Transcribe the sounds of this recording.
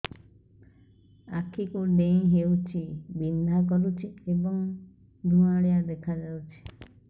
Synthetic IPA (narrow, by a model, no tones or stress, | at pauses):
akʰikuɖẽj̃ɦeut͡ʃʰibind̪ʱak̬ɔɾut͡ʃʰiebɔŋ | d̪ʱũaɽijad̪ekʰad͡ʒawt͡ʃʰi̥